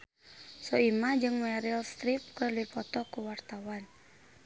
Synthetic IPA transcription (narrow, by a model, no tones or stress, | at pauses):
sɔimad͡ʒɨŋmɛɾilst̪ɾip̚kəluipɔt̪ɔkuwart̪awan